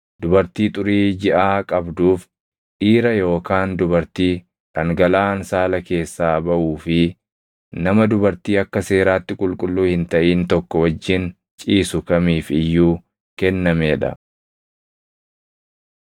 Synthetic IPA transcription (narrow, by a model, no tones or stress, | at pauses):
d̪̥ʊbɐɾt̪iːt̪ʼʊɾiːd͡ʒɪʔaːkʼɐbd̪uːf | ᶑiːɾɐjo̞ːkaːnd̪ʊbɐɾt̪iː | ᶑɐŋɡɐlaːnsaːlɐke̞ːsːaːbɐʔuːfɪ | nɐmɐd̪ʊbɐɾt̪iːɐkːɐse̞ːɾaːt̪ːɪkʼʊlkʼʊlːuːhɪnt̪ɐʔiːnt̪ɔkːɔwɐd͡ʒːɪn | t͡ʃʼiːsʊkɐmiːfɪjːuː | kɛnːɐmeːᶑɐ̰